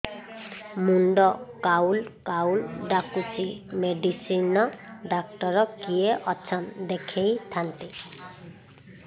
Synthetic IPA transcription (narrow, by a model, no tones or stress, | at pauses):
muɳɖɔkawlkawlɖakut͡ʃimeɖisinɔɖak̚ʈɔɾɔkieʔɔt͡ʃʰɔnd̪ekʰejt̪ʰant̪i